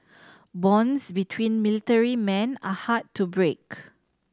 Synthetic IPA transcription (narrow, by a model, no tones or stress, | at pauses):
bɔ̃nsbitʰwĩnmilitəɹimɛ̃nahattːubɹek